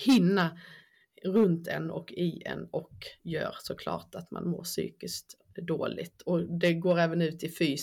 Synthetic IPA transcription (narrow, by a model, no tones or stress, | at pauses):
hɪnːa | ɾɵnt̪ʰɛ̰nɔkʰɪʔɛ̰nːɔkjø̰ːɾsɔkʰlɑ̰ːʈat̪ma̰nmo̰ːʂy̰ːkɪskt̪ | d̪oːlɪɡt̪ʰɔd̪ɛɡoːɾɛːvənʉ̟ːt̪ʰɪfyː